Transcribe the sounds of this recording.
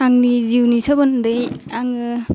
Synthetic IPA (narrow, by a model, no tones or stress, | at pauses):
aŋniziwnisabɯndejaŋɯ